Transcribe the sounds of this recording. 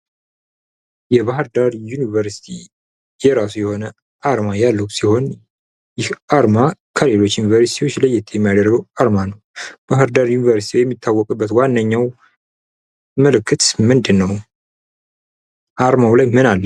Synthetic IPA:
jɛbahɨɾd̪aɾjunivəɾsi̥t̪ʰi | jɛɾasujɛho̞nə | ʔaɾmajalːəhusiho̞n | jɪhaɾmakʰəle̞lo̞t͡ʃːjunivəɾsi̥t̪ʰiwo̞t͡ʃːləjɛt̪ʰjɛmːijad̪əɾɡəwaɾmanəwb̥aɦɨɾd̪aɾjunivəɾsi̥t̪iwjɛmːit̪ʰːawːɔkʼɨbːət̪wanːəɲːaw | məlɨkʰːɨt̪mɨnd̪ɨnːəw | ʔaɾmawlajmɨnalːə

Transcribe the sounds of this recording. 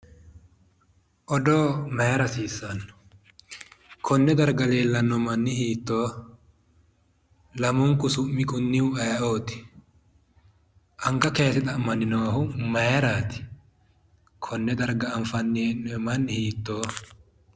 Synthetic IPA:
ʔɔd̪oːmɐjɾɐsiːsːɐnːɔ̥ | kʰɔnːɛd̪ɐɾɡɐleːlːɐnːɔmɐnːɪhiːt̪ːoː | lɐmʊŋkʊsʊmːɪkʼʊnːɪwɐjɐʔoːt̪ɪ̥ | ʔɐŋkɐkeːsɪt̪ɐmːɐnɪnoɦʊmɐjɾaːt̪ɪ̥ | kʰɔnːɛd̪ɐɾɡɐːɱfɐnːeːnmɐnːɪhiːt̪ːoː

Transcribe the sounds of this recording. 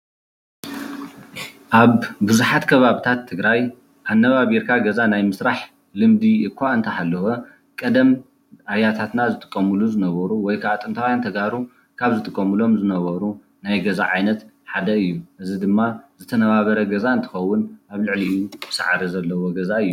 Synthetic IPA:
ʔaβbuzuħat̪kʰɐβaβit̪ʰat̪ʰːɨɡɾaj | ʔanːɐβaβiɾkʰaɡɐzanajmɨsɾaħ | lɨmd̪iɨkʷʰːaɨnt̪ʰɐhalːɐwo | kʼɐd̪ɐm | ajat̪ʰat̪nazɨt̪ʼɨ̥kʼːɐmɨluzɨnɐβɐɾuwɔjkʰaat̪ʼɨnt̪ʰawjant̪ʰɐɡaɾu | kʰaβzɨt̪ʼɨkʼːɐmɨlo̞mzɨnɐβɐɾu | najɡɐza̰ʕajnɐt̪ | ħad̪ɐɨjːuʔɨzid̪ɨmːazɨt̪ʰɐnɐβaβɐɾɐɡɐzaɨnt̪ʰɨ̥xɐwːʊnʔaβlɨʕliɨjubɨsa̰ʕaɾizɐlːɐwoɡɐzaɨjːu

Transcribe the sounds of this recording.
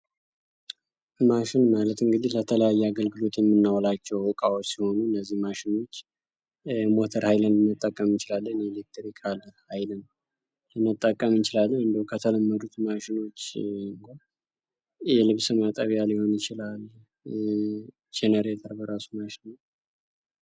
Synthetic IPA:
maʃɪnmalət̪ɨŋɡɨd̪ihlət̪ʰələjajːɛaɡəlɡɨlo̞t̪jɛmːɨnːawlat͡ʃːɛwɔkʼawot͡ʃːsiho̞nuɨnːəzːihmaʃɪno̞t͡ʃː | mo̞t̪ʰəɾhajlənɨnːət̪ʼːəkʼːəmt͡ʃɪlalːənɛlek̚t̪ʰɾikʰalhajlən | lɨnːət̪ʼːəkʼːəmt͡ʃɪlalːəɨnd̪əukʰət̪ʰələmːəd̪ut̪maʃɪno̞t͡ʃːɨŋɡʰo | jɛlɨβsɨmat̪ʼəβjalɪho̞nɨt͡ʃɪlal | d͡ʒenəɾet̪ʼəɾbəɾasumaʃɪnəw

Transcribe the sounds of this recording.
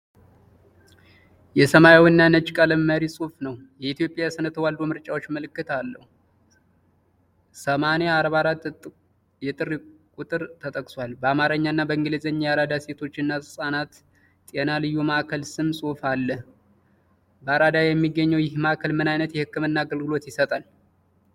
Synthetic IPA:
jɛsəmajawɨnːanət͡ʃːkʼələmːəɾisʼufnəwjɛit̪ʰjo̞pʼːjasɨnət̪ʰəwald̪o̞mɨɾt͡ʃʼawo̞t͡ʃːməlɨkːɨt̪ʰalːə̰hu | səmaneaɾβaɾat̪ | jɛt̪ʼɨɾkʼut̪ʼɨɾt̪ʰət̪ʼəkʼswalbəamaɾəɲːaɨnːabəɨŋɡɨlizəɲːjaɾad̪ase̞t̪ʰo̞t͡ʃːɨnːasɨsʼanat̪ | t̪ʼenalɨjːumaʔkʰəlsɨmsʼufalːə | bəaɾad̪ajɛmːiɡːəɲːəwjɪhmakʰəlmɨnajnət̪jɛhɨkːɨmɨnːaːɡəlɡɨlo̞t̪jɪsət̪ʼal

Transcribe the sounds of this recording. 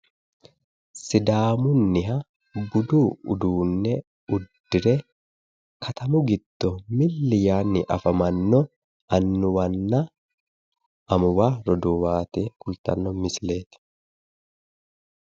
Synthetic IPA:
sɪd̪aːmʊnːɪɦɐ | bʊd̪uːʊ̰d̪uːnːɛ | ʊd̪ːɪɾɛ | kʰɐt̪ɐmʊɡɪd̪̥ːɔmɪlːɪjaːnːɪʔɐfɐmɐnːɔ | ɐnːʊwɐnːɐ | ʔɐmʊwaːɾɔd̪ɔwaːt̪eːkʊlt̪ɐ̰nːɔmɪsle̞ːt̪ɪ̥

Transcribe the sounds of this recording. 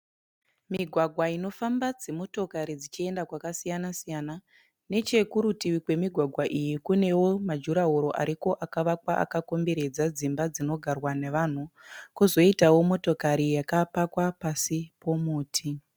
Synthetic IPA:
miɡʱwaɡʱwaino̞fambad͡ze̞mo̞to̞kaɾid͡zit͡ʃie̞ndakwakasijanasijana | ne̞t͡ʃe̞kuɾutiwikwe̞miɡʱwaɡʱwaʔijikune̞wo̞mad͡ʒuɾaɦuɾo̞ʔa̰ɾiko̞ʔakaʋakwaʔa̰kako̞mbeɾe̞d͡zad͡zimbad͡zino̞ɡʱarwane̞ʋan̤ukuzo̞itawo̞mo̞to̞kaɾijakapakwapasipo̞muːtʰi

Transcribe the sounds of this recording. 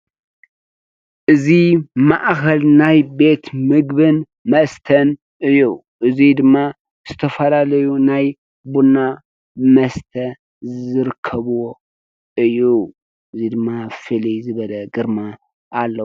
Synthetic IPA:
ʔɨzimaʔkʰɐlnajbe̞t̪mɨɡbɨn | mɐst̪ʰən | ɨju | ʔɨzid̪ɨmːa | z̥ɨt̪ʰəfəlaləjunaj | bunːa | məst̪ʰə | zɨɾkʰːəβo | ʔɨju | ʔɨzid̪ɨmːafɨlizɨβələɡɨɾmaː | lːə

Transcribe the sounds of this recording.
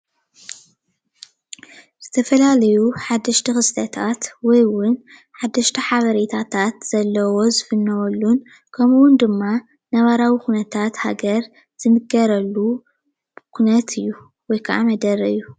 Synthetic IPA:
z̥ɨt̪ʰɐfɐlalɐjuħad̪ːɐʃt̪ʰɐxɨst̪ʰɐt̪ʰat̪wɔjwʊn | ħad̪ːɐʃt̪ʰɐħaβɐɾet̪ʰat̪ʰat̪z̥ɐlːɐwo̞zɨfɨnːɐwɐlːun | kʰɐmuwʊnd̪ɨmːa | naβaɾawikunɐt̪ʰat̪ha̰ɡɐɾ | z̥ɨmɨɡɐɾɐlːu | kʰunɐt̪ʰɨjːu | wɔjkʰɐʔa̰mɐd̪ɐɾɐɨjːu

